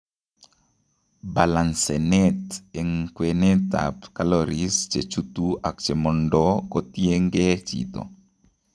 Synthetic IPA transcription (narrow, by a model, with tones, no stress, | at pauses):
ba˨la˨nsɛnɛ˦te˨ŋkwe˨ne˦t̪a̰pkalɔɾist͡ʃe˨t͡ʃut̪ua˨k̚t͡ʃe˨mɔ˨ndɔkɔ˦t̪je˦ŋɡe˦t͡ʃḭt̪ɔ̰˨